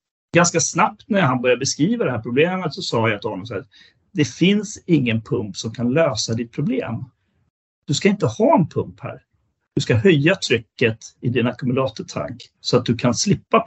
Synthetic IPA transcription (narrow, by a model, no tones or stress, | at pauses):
ɡanskasnap̚t̪næɾɦanbœɾjabɛskɾiːvad̪ɛhæɾpʰɾʊbleːmət̪sɔsɑːjat̪ʰɪhɔnːɔmsahːɾ | d̪̥ɛfɪnsɪŋːənpʰɵmpsɔmkʰanløːsad̪ɪt̪̚pʰɾʊblḛːm | d̪̥ɵskaɪnt̪əhɑːɛnpʰɵmphæ̰ːɾ | d̪̥ɵskaɦœjːat̪ʰɾʏkːət̪ɪd̪ɪnakɵmɵlɑːt̪ət̪ʰa̰ŋksɔat̪̚d̪ɵkʰanslɪpːa